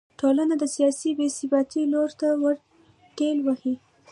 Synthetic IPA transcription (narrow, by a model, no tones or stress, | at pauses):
ʈolanad̪əsijɑsibesɪbɑt̪iloɾt̪awəɾ | kelwahi